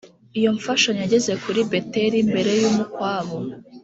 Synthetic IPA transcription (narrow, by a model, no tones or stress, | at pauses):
ijo̞ɱfaʃaɲjaɟe̞ze̞kuɾibe̞teɾimbe̞ɾe̞jumukwaːβo